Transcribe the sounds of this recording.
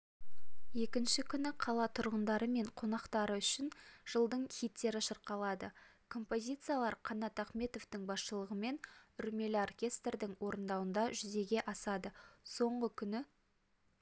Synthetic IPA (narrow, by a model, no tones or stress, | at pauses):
je̞kʲɪnʃɪkʲʰʏnɪqʰɑlˠɑt̪ʰʊɾʁənd̪ɑɾəme̞ɴqʰo̞nɑqt̪ɑɾəʏʃɪnʒ̥əlˠd̪əɴχʲijt̪ːe̞ɾɪʃəɾqɑlˠɑd̪ə | kʰo̞mpo̞zʲijt̪sɨijalˠɑɾqʰɑnɑt̪ɑχme̞t̪o̞vt̪ɪŋbɑsʃəlˠəʁəme̞nʏɾme̞lɪorkʲe̞st̪rd̪ɪŋwo̞ɾənd̪ɑwənd̪ɑʒʏze̞ɡʲe̞ʔɑsɑd̪əso̞ɴʁəkʲʰʏnɪ